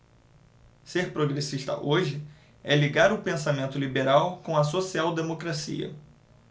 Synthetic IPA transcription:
seɾpɾoɡɾesiʃt̪ɐ̰ʔoʒɪ | ɛliɡaɾʊpẽsamẽnt̪ʊlibeɾawkõɐsosiawd̪emokɾasḭɐ̰

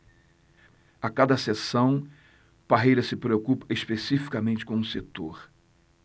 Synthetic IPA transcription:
akad̪ɐsesɐ̃w̃ | paɦejɾɐsɪpɾeokupɐ̥espesifi̥kɐmẽnt͡ʃɪ̥kõũset̪oɾ

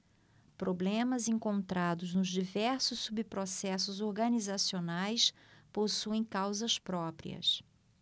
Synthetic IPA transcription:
pɾoblẽmɐzẽŋkõnt̪ɾad̪ʊznʊzd͡ʒivɛɾsʊsːubipɾosɛsʊzoɾɡɐnizasionajs | posuẽj̃kawzɐspɾɔpɾḭɐ̰s

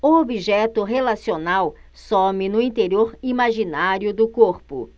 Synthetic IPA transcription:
ʊobiʒɛt̪ʊɦelasionaw | somɪnʊĩnt̪eɾioɾimaʒinaɾjʊd̪ʊkoɾpʊ̰

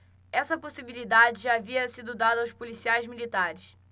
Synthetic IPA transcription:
ɛsɐposibilid̪ad͡ʒɪʒaːviɐsid̪ʊd̪ad̪ɐawspolisiajzmilit̪aɾɪs

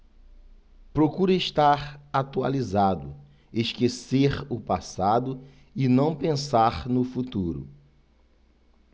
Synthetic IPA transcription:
pɾokuɾeʃt̪aɾat̪ua̰lizad̪ʊ | eʃkeseɾʊpasad̪ʊ | ɪnɐ̃w̃pẽsaɾnʊfut̪uɾʊ̰

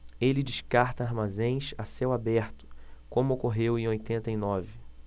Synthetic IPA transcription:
elɪd͡ʒɪʃkaɾt̪ɐaɾmazẽj̃ʃasewabɛɾt̪ʊ̥kõmʊokoɦewẽj̃ojt̪ẽnt̪ɐinɔvɪ

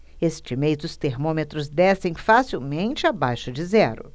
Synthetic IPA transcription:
est͡ʃimejzd̪ʊst̪eɾmõmet̪ɾʊzd̪ɛsẽj̃fasiwmẽnt͡ʃɪabajʃʊd͡ʒɪzɛɾʊ̰

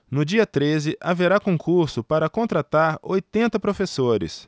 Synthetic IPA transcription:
nʊd͡ʒiɐt̪ɾezɪʔaveɾakõŋkuɾsʊpaɾɐkõnt̪ɾat̪aɾojt̪ẽnt̪ɐpɾofesoɾɪ̰s

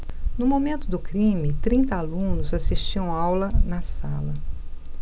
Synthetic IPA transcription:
nʊmomẽnt̪ʊd̪ʊkɾĩmɪt̪ɾĩnt̪ɐalũnʊzasiʃt͡ʃiɐ̃w̃awlɐnɐsalɐ

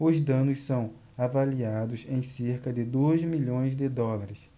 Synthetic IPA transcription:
ʊzd̪ɐ̃nʊssɐ̃w̃ | avaliad̪ʊzẽj̃seɾkɐd̪ɪd̪ojzmiʎõj̃zd̪ɪd̪ɔlaɾɪs

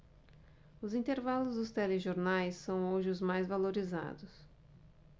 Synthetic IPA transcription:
ʊzĩnt̪eɾvalʊzd̪ʊst̪ɛleʒoɾnajsːɐ̃w̃oʒɪʊzmajzvaloɾiza̰d̪ʊs

